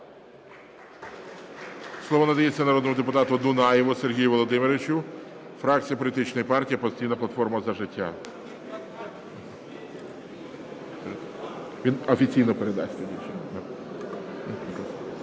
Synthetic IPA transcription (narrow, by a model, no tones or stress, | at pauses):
slˠɔʋɔnɐd̪ɐjet͡sʲːɐnɐɾɔd̪nɔmʊd̪epʊt̪ɑt̪ʊd̪ʊnɑjɪʋʊserɦʲijʊʋɔlˠɔd̪ɪmeɾeʋɪt͡ʃʊfɾɑk̚t͡sʲijɐpɔlʲit̪ɪt͡ʃnɔjipɑrtʲijipɔsʲtʲijnɐplˠɐt̪fɔrmɐzɐʒɪtʲːa̰ | ʋʲinɔfʲit͡sʲijnɔpeɾed̪ɑ̰sʲt̪ɛdʲit͡ʃɪnnɐ | k̪